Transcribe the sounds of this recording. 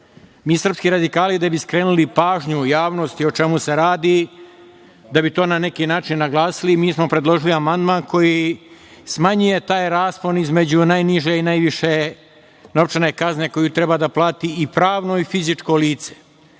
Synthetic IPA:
miːsrpskiɾad̪ikaːlid̪abiskɾe̞ːnulipaːʒɲujaːʋno̞st̪iot͡ʃe̞muse̞ɾaːd̪i | d̪abit̪o̞ːnane̞kinaːt͡ʃinːaɡlˠaːsilimiːsmopɾed̪lˠo̞ʒiliamand̪maːnko̞ji | smaɲuje̞t̪aːjɾaːsponizmed͡ʑunajniʒeinajʋiʃe̞ | noʋt͡ʃene̞kazne̞ko̞jut̪ɾebad̪aplˠaːt̪iːpɾaːʋno̞ifizit͡ʂko̞liːt̪se̥

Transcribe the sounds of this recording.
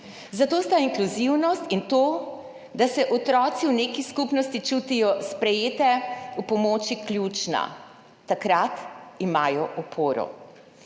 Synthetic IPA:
zat̪oːst̪aiŋkluziwnɔst̪int̪oː | d̪asɛʔɔt̪ɾɔːt̪siwnekiskupnɔst̪it͡ʃut̪ijɔspɾɛjeːt̪ɛupɔmoːt͡ʃiklʲjuːt͡ʃna̰ | t̪akɾat̪imaːjɔʔɔpʰoːɾɔ̰

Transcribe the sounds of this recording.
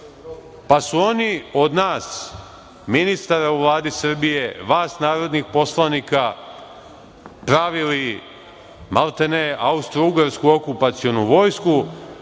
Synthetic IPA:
pasuo̞nio̞d̪naːs | minist̪aɾauʋlˠaːd̪isr̩bije̞ʋaːsnaːɾo̞d̪nixpo̞slˠanika | pɾaʋili | malˠt̪eneaust̪ɾouɡaɾskuo̞kupat̪sio̞nuʋo̞ːjsku

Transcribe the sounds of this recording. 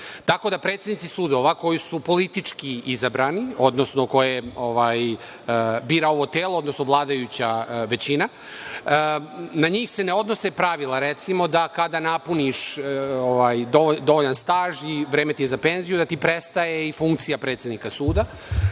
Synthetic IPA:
t̪ako̞d̪apɾet̪sʲed̪nit̪isuːd̪o̞ʋako̞jisupo̞lit̪it͡ʂkiizabɾanio̞d̪no̞sno̞ko̞jeo̞ʋaj | biːɾao̞ʋo̞t̪eːlˠo̞od̪no̞snoʋlˠaːd̪ajut͡ɕaʋe̞t͡ɕina | naɲiːxseneo̞d̪no̞sepɾaʋilˠaɾet̪simo̞d̪akad̪anapuniʃoʋajd̪od̪o̞ʋoʎanst̪aːʒiʋɾeːmet̪ijezape̞nzijud̪at̪ipɾest̪aje̞ifuŋkt̪sijapɾet̪sʲe̞d̪nikasuːd̪a

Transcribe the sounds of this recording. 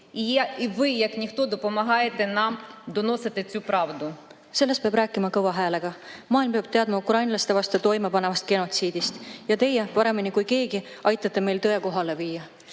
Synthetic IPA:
ijiʋɪjɐknʲixt̪od̪ɔpɔmɐɦɑjet̪enɑmd̪ɔno̞sɪt̪ɪt͡sʲupɾɑʋd̪ʊ | se̞lːe̞speɑbɾæːkːˑimɑkɤwvɑɦæːle̞ɡ̥ɑmɑːilmpe̞ɑb̥̚t̪e̞ɑd̪mɑukrɑjnlɑst̪e̞vɑst̪et̪o̞jmepɑne̞vɑst̪̚ke̞no̞t̪siːd̪ist̪jɑt̪e̞jːepɑɾe̞minikujke̞ːɡi | ʔɑjt̪ːˑɑt̪ˑːe̞me̞jlt̪ɤ̞e̞ko̞ɦɑle̞viːjɑ

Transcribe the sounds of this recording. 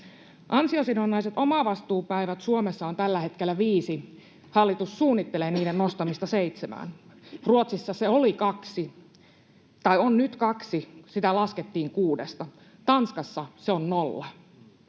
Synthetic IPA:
ʔɑnsiosinonːɑiset̪omɑʋɑst̪uːpæiʋæt̪suomesːɑont̪ælːæhe̞t̪kelːæʋiːsi | hɑlːit̪usːuːnːit̪ːe̞leːniːdenno̞st̪ɑmist̪ɑseit̪semæ̰ːnruot̪sisːɑseolikɑksi | t̪ɑjonnyt̪kɑksisit̪ælɑsket̪ːiːŋkuːdest̪ɑ | t̪ɑnskɑsːɑseonnolːɑ

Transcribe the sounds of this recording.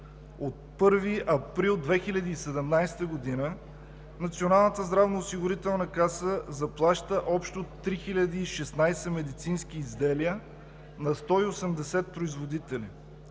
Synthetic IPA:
ot̪̚pɤɾviʔɐpɾilˠd̪vɛxilʲɐd̪iːsɛd̪ɛmnajst̪əɡod̪inə | nɐt̪sionalˠnət̪əzd̪ɾavnoːsiɡʊɾit̪ɛlˠnəkasəzɐplˠaʃt̪əʔɔpʃt̪ot̪ːɾixilʲɐd̪iːʃɛsnajsɛmɛd̪it̪sinskiːzd̪ɛlijə | nɐst̪ɔiosɛmd̪ɛsɛt̪̚pɾoizvod̪it̪ɛli

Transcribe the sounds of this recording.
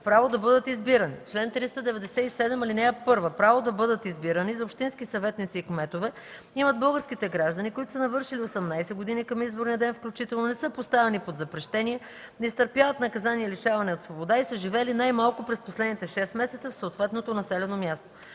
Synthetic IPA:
pɾavod̪ɐbɤd̪ət̪izbiɾənḭt͡ʃlɛnt̪ɾist̪əd̪ɛvɛd̪ɛsɛisɛd̪ɛmɐlinɛɛpɤɾvəpɾavod̪ɐbɤd̪ət̪izbiɾənizɐopʃt̪inskisɐvɛt̪nit̪siːkmɛt̪ovɛ | iməd̪̚bɤlˠɡəɾsk̟it̪ɛɡɾaʒd̪ənikoʊit̪ʊ̥sənɐvɤɾʃiliosɐmnajsɛɡod̪inikɐmizboɾniɐd̪ɛnfklʲut͡ʃit̪ɛlˠnonɛsɤəpost̪avɛnipod̪zɐpɾɛʃt̪ɛniɛ | nɛist̪əɾpjavət̪nɐkɐzaniɛliʃavɐnɛot̪svobod̪aisəʒivɛlinajmalˠkʊpɾɛsposlɛd̪nit̪ɛʃɛst̪mɛsɛt̪səfsoot̪vɛt̪not̪onɐsɛlɛnomjast̪o

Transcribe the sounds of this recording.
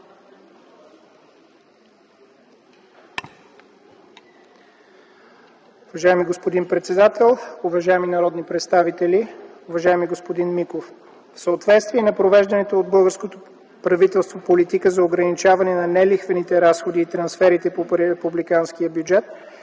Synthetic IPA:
ʊvɐʒaɛmiɡospod̪inpɾɛt̪sɛd̪at̪ɛlˠʊvɐʒaɛminɐɾɔd̪nipɾɛt̪st̪avit̪ɛliʊvɐʒaɛmiɡospod̪inmikof | fsəot̪vɛt̪st̪viɛnɐpɾovɛʒd̪ɐnɛt̪oːd̪̚bɤlˠɡəɾskot̪o | pɾɐvit̪ɛlˠst̪vopolit̪ikəzɐoɡɾɐnit͡ʃavɐnɛnɐnɛlixvənit̪ɛɾasxod̪iːt̪ɾɐnsfɛɾit̪ɛpoɾɛɛpublikanskiəbjud͡ʒɛt̪̚

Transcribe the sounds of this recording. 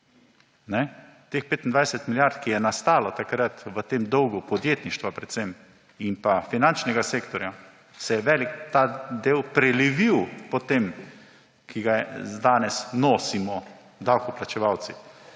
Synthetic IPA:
nɛ | t̪expeːt̪nd̪ʋajsɛt̪miljaɾt̪kijɛnast̪aːlɔt̪akɾat̪ʋət̪emd̪ɔwɡupɔd̪jeːt̪niʃt̪ʋapɾɛt̪sem | impafinant͡ʃnɛɡaseːkt̪ɔɾja | sɛjɛʋɛːlikt̪ad̪eːwpɾɛliʋiwpɔt̪em | kiɡad̪aːnɛsnoːsimɔ | d̪awkɔplat͡ʃɛʋawt̪si

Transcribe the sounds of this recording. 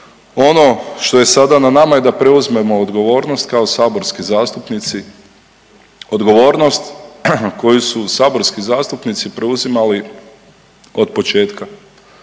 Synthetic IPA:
o̞no̞ʃt̪o̞je̞sad̪ananamaje̞d̪apɾe̞uzme̞mo̞ːd̪ɡo̞ʋo̞ːɾno̞st̪kao̞saːbo̞ɾskizaːst̪upnit̪si | o̞d̪ɡo̞ʋo̞ːɾno̞st̪ko̞jususaːbo̞ɾskizaːst̪upnit̪sipɾe̞uzimali | o̞d̪po̞t͡ʃe̞ːt̪ka

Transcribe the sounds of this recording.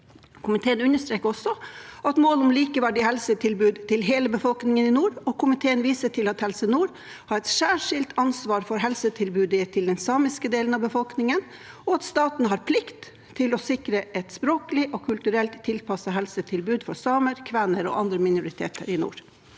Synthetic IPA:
kʰʊmɪt̪ʰeːənʉnəʂt̪ɾeːkəɔsɔɑt̪moːlʊmliːkəʋæɖɪhɛlsət̪ʰɪlbʉːd̪t̪ɪlɦeːləbəfɔlknɪŋənɪnuːɾɔkʊmɪt̪ʰeːənʋiːsəʈʰɪlɑt̪hɛlsənuːɾ | hɑɾɛt̪sæːʂɪlt̪ɑnsʋɑːɾfɔɾɦɛlsət̪ʰɪlbʉːd̪ət̪ʰɪld̪ɛnsɑːmɪskəd̪eːlənɑʋbəfɔlknɪŋən | ɔɑt̪st̪ɑːt̪n̩ɦɑːɾpʰlɪkt̪ʰː | ɪlɔsɪkɾəʔɛt̪spɾoːkəlɪʔɔkʰʉlt̪ʉɾɛlt̪ʰːɪlpʰɑsəɦɛlsət̪ʰɪlbʉːd̪fɔsɑːməɾkʰʋænəɾɔ̰ːʔɑnd̪ɾəmɪnʊɾɪt̪ʰḛːt̪ə̰ɾɪnṵːɾ

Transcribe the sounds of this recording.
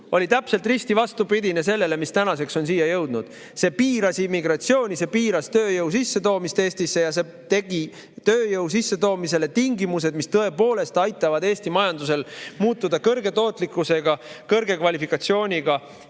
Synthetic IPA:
o̞lit̪æpselt̪rist̪ivɑst̪upid̪ʲine̞se̞lːe̞le̞mist̪ænɑse̞kso̞nsiːjɑjɤwd̪̥nud̪̥ | se̞piːɾɑsimiɡ̥ɾɑt̪sio̞ːnʲise̞piːɾɑst̪øːjɤuwsisːe̞t̪o̞ːmist̪eːsʲt̪isːe̞jɑse̞ | t̪e̞ɡ̥i | t̪øːjɤuws̬isːe̞t̪o̞ːmise̞le̞t̪iŋɡimus̬e̞d̪mist̪ɤe̞po̞ːle̞st̪ɑjt̪ːˑɑvɑd̪eːsʲt̪imɑjɑnd̪use̞lmuːt̪ːud̪̥ɑkɤrɡe̞t̪o̞ːt̪ˑlikˑːuse̞ɡ̥ɑkɤrɡ̥e̞kvɑlʲifikˑɑt̪sio̞ːnʲiɡ̥ɑ

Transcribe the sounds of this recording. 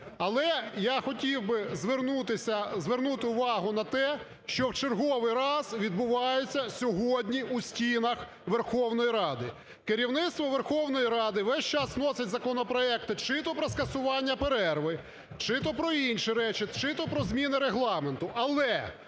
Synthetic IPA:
ɐlˠɛjaxɔtʲiwbɪzʋerut̪ɪsʲɐzʋernut̪ɪʊʋɑɦʊnɐt̪ɛ | ʃt͡ʃɔwt͡ʃerɦɔʋɪjɾɑzʋʲid̪̚bʊʋɑjet͡sʲːɐsʲɔɦɔdʲnʲiusʲtʲinɐx | ʋerxɔwn̪ɔjiɾɑd̪ɪ̰ | keɾʲiwnɪt̪st̪ʋɔʋerxɔwn̪ɔjiɾɑd̪ɪʋɛsʲt͡ʃɑsnɔsɪtʲzɐkɔnɔpɾɔɛk̚t̪ʊt͡ʃɪt̪ɔpɾɔskɐsʊʋɑnʲːɐpeɾɛrʋɪ | t͡ʃɪt̪ɔpɾɔinʲʃiɾɛt͡ʃɪt͡ʃɪt̪ɔpɾɔzmʲinɪɾeɦlˠɑment̪ʊʔɐlˠɛ

